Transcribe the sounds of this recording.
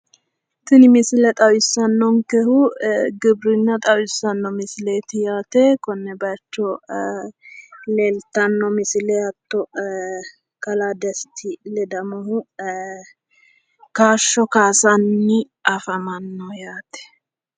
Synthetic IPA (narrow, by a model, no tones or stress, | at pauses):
t̪ɪnɪmɪsɪlɛt̪ʼɐwɪsːɐnːɔŋkɛhʊɡɪbɾɪnːɐt̪ʼɐwɪsːɐnːɔmɪsleːt̪ɪjaːt̪ɛkɔnːɛbɐt͡ʃːɔ | leːlt̪ɐnːɔmɪsɪlɛɐt̪ːɔ | kɐlaːd̪ɛst̪ʰɪlɛd̪ɐmɐhʊ | kaːʃːɔkaːsɐnːɪ | ɐfɐmɐnːɔjaːt̪ɛ̥